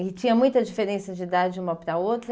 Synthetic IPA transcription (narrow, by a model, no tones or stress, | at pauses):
ɪt͡ʃĩɲɐmũj̃t̪ɐd͡ʒifeɾẽsɐd͡ʒɪd̪aɾd͡ʒɪũmɐpɾɐowt̪ɾɐ